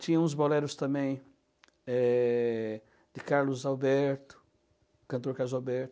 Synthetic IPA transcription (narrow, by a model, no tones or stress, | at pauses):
t͡ʃ̪ĩɲɐ̃ũzbolɛɾʊst̪ɐ̃mẽj̃ | ɛ | d̪ɪkaɾlʊzawbɛɾt̪ʊ̥ | kɐ̃nt̪̬oɾkaɾlʊzawbɛɾt̪ʊ